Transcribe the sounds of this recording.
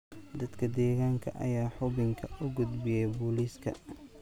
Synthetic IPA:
d̪ɐd̪kʰɐd̪ɛːɣaːŋkʰɐ̰ʔɐ̰jaːħʊβɪŋkʰɐʔʊɡʊd̪bɪjɛjbʊːliːskʰɐ̰

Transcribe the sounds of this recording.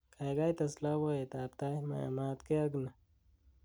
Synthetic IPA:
kajɡajt̪ɐslawaet̪aːp̚t̪ajma̰maːt̪keɐɡna

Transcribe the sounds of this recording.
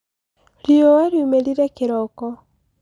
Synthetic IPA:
liowaɾjumeɾiɾɛkeɾɔkɔ

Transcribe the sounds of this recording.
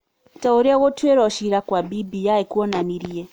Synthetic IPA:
tauɾiawɔtʰueɾaʃiɾakwabibijaikuɔnaniɾije

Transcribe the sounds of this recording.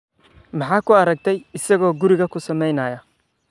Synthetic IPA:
mɑħɑːkʰʊɐɾɐk̚t̪ʰɛjɪsɐɣɔːɡʊɾɪɣɐkʰʊsɐmɛjnɐːjɐ

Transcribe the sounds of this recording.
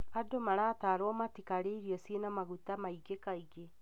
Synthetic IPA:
adomaɾaːtaɾwɔmatikaɾeiɾiɔsinamaɣutamaiɡekaiɣe

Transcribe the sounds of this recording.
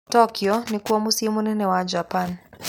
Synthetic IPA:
tɔkiɔnikuwamusimun̩nɛwad͡ʒapan

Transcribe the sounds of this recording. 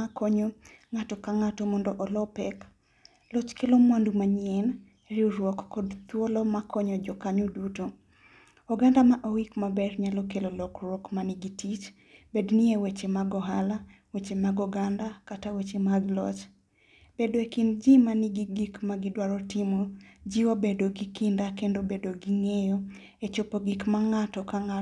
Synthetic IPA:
akɔɲoŋatɔkaŋatomɔndɔʔɔlɔpɛk | lɔt͡ʃkelomwandumaɲɛn | ɾɪoɾwɔkːɔdt̪wolɔmakɔɲɔd͡ʒɔkaɲoduto | ɔɡandamaʔowikmabɛrɲalokelolokɾwɔkmanɪɡitit͡ʃ | bednɪewet͡ʃemaɡɔɦala | wet͡ʃemaɡɔɡandakatawet͡ʃemaɡlɔt͡ʃ | b̥edoekind͡ʒimaniɡiɡikmaɡidwaɾɔtimod͡ʒiobedoɡikindakendobedoɡiŋejɔ | et͡ʃopoɡikmaŋatɔkaŋa

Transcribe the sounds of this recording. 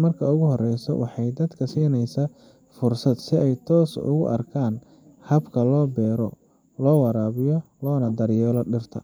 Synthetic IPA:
mɐrkʰɐʊɣʊɦɔrɛjsɔ̰wʔɑ̰ħɑjd̪ɐd̪kʰɐsiːnɛjsɐ | fʊrsɐd̪sɪɛjt̪ʰɔːsʊ̰ɣʊ̰ʔɐ̰rkʰaːn | hɐbkʰɐlɔːbɛːɾɔ | lɔːwɑɾaːβɪjɔ | lɔːnɐd̪ɐɾjɛːlɔɖɪrt̪ʰɐ̰

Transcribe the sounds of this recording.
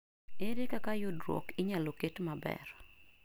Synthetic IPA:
eɾekakajʊdɾwɔ̰kiɲaloketmabɛ̰r

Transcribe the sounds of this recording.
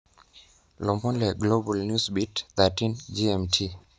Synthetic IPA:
lɔmɔlɛɡlobalnjusbitt̪atind͡ʒiɛmtʰi

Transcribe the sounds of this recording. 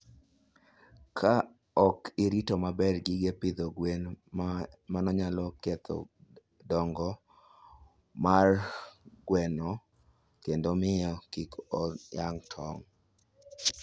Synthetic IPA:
kʰa | ɔkɪɾitomabɛrɡɪɡepɪd̪ɔɡwen | manɔɲalɔkɛt̪ʰɔ̰ | dɔŋɡɔ | marɡwɛnɔ | kendomɪɔkikɔjaŋtʰɔŋ

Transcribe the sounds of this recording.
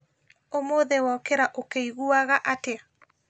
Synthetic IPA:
omoðewɔkeɾaʔokeiɣuaɣaʔate

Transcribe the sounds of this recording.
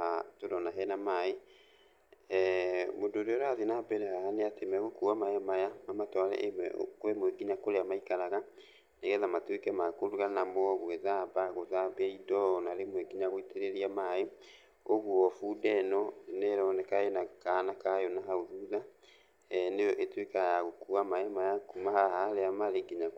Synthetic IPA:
atodɔnaɦɛnamae | modoɾeɔɾaðinabɛɾɛhaaneatemɛɣokuamaɛmajamamatɔaɾɛ̰ʔeɛ̰koɾemoeɡiɲakoɾeamaikaɾaɣa | neɣɛðamatwekɛmakoɾuɣanamɔɣweðabaɣoðabeidɔnaɾemoɛɡiɲaɣoiteɾeɾiamae | oɣuɔfudɛnɔnɛɾɔnɛkaenakanakajonaɦaoðuða | nejɔʔetwekajaɣokuamaɛmajakumaɦahaɾeamaɾeɡiɲa

